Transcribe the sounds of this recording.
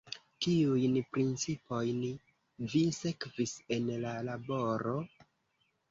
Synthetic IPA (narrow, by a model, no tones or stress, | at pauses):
kiujnpɾint͡sipo̞jn | vise̞kvise̞nlalabo̞ɾo̞